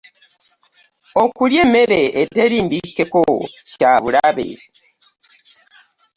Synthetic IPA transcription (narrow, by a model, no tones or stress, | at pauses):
okuljemeɾeʔeteɾiːndikekocaβuɾaβḛ